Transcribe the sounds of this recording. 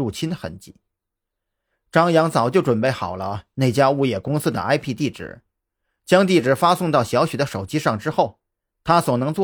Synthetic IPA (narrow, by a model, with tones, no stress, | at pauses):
u˥˩t͡ɕʰi˥nxə̰˧˥nt͡ɕḭ˧˩˦ | ʈ͡ʂɑ˥ŋjɑ˧˥ŋt͡sɑ˨˩ʊt͡ɕjo˥˩ʊʈ͡ʂwə˨˩npe˥˩ɪxɑ˨˩ʊlə˦ne˥˩ɪt͡ɕja˥u˥˧jɛ˥˩kʊ˥ŋsɹ̩˥d̪ə̰˨ʔa˥ɪpʰi˥˧t̪i˥˩ʈ͡ʂɻ̩̰˨˩˦ | t͡ɕjɑ˥ŋt̪i˥˩ʈ͡ʂɻ̩˨˩fa˥sʊ˥˧ŋt̪ɑ˥˩ʊɕjɑ˧˥ʊɕɛ˨˩d̪ə˦ʂo˨˩ʊt͡ɕi˥ʂɑ˥˩ŋʈ͡ʂɻ̩˥xo˥˩ʊ | t̪ʰa˥swɔ˨˩nɤ˧˥ŋt͡swɔ˥˩